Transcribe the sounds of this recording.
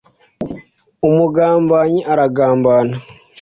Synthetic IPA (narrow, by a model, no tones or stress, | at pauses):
umuɡaːmbaɲiʔaɾaɡaːmbaːna